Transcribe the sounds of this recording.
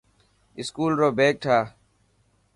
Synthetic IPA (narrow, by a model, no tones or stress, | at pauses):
ɪskuːlɾoːbeːk̚ʈʰaː